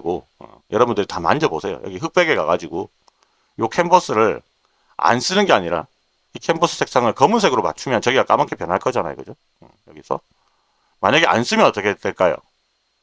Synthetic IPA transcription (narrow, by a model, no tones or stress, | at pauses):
ɡoɯ̰ | jʌɾʌbundɯɾitamand͡ʑʌbosʰe̞jo̰jʌɡiɦɯk̚p͈eɡeɡaɡad͡ʑiɡo | jokʰembʌs͈ɯɾɯɭ | a̰ns͈ɯnɯnɡe̞aɲiɾa̰ | ikʰembʌs͈ʰɯ̥sʰe̞ks͈aŋɯɭkʌmunsʰe̞ɡɯɾoma̰t͡ɕʰumjʌnt͡ɕʌɡiɡak͈a̰makʰe̞pjʌnɦaɭkʰʌd͡ʑana̰jo̰ɡʌd͡ʑo | ɯjʌɡisʰʌ̰ | maɲaɡeʔa̰ns͈ɯmjʌnʌt͈ʌkʰed̥eɭk͈ajo̰